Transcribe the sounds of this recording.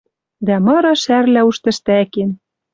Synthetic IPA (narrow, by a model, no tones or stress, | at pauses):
d̪æmɤ̆ɾɤʃærlæuʃt̪ɘ̆ʃt̪æken